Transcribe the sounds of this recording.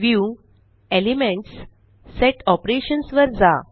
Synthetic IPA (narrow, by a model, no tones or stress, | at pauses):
ʋju | elimẽɳʈsː | eʈɔpɾeɕənsʋəɾd͡za